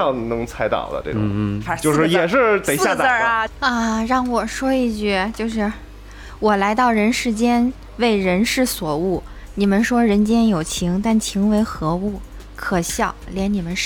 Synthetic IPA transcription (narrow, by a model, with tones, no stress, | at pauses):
ɑ˥˩ŋnɤ˧˥ŋt͡sʰa˧˥ɪt̪ɑ̰˨˩ʊd̪ə̰˦ʈ͡ʂe˥˩ʊ̰˨˩˧t͡ɕjo˥˧ʊʂɻ̩˥˧˥jɛ˨˩ʂɻ̩˥˧t̪e˨˩ɪja˥˧t͡sə˨˩˧ə˥˧ɻɑ˥˩ŋwɔ˨˩ʂwɔ˥i˥˧t͡ɕy˥˩t͡ɕjo˥˧ʊʂɻ̩˥˩ | wɔ˨˩la˧˥ɪt̪ɑ˥˩ʊɻə˧˥nʂɻ̩˧˥t͡ɕjɛ˥n | we˥˩ɪɻə˧˥nʂɻ̩˥˩swɔ˨˩u˥˩ | ni˨˩mə˦nʂwɔ˥ɻə˧˥nt͡ɕjɛ˥njo˨˩ʊt͡ɕʰi˧˥ŋt̪a˥˩nt͡ɕʰi˧˥ŋwe˧˥ɪxɤ˧˥u˥˩ | kʰɤ˨˩ɕjɑ˥˩ʊljɛ˧˥nni˨˩mə˦nʂ